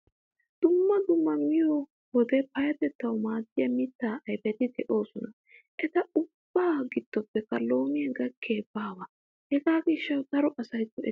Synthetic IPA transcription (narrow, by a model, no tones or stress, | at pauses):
d̪̥ʊmːɐd̪ʊmːɐmɪjɔ | wɔd̪ɛpɐjɐt̪ɛt̪ːɐwmaːd̪ɪjɐmɪt̪ːaːʔɐjbɛt̪ɪd̪ɛʔo̞ːsɔnɐ | ʔɛt̪ɐʊb̥ːaːɡɪd̪̥ːɔpːɛkːɐlo̞ːmɪjɐɡɐkʰːeːbaːwa | hɛɡaːɡɪʃːɐwd̪ɐɾɔʔɐsɐjtːɔɛ